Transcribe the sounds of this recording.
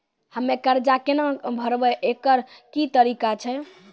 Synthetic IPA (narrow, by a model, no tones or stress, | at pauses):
həmːekəɾd͡ʒakenəbʱəɾbɛʔekəɾkit̪əɾikat͡ʃʰɛ